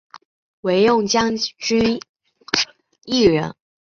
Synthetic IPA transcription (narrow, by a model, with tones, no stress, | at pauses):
we˧˥ɪjʊ˥˨ŋt͡ɕjɑ˥ŋʈ͡ʂy˥ | i˥˩ɻə˧˥˦n